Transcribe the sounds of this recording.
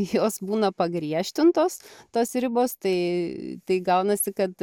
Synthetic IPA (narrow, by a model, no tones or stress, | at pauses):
joːsbuːnɐpɐɡɾʲiɛʃʲt̪ʲɪnt̪oːst̪oːsɾʲɪboːst̪ɐɪt̪ɐɪɡɐʊnɐsʲɪkɐt̪